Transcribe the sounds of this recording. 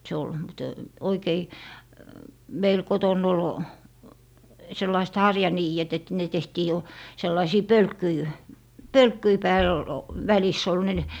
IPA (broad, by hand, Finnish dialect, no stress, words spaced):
se ol mte oikei meil kotonˑ ol selːɑist hɑrjɑniːet et ne tehtiː jo selːɑisiː pølkːyi pølkːyi pæːl l ʋælisː ol ne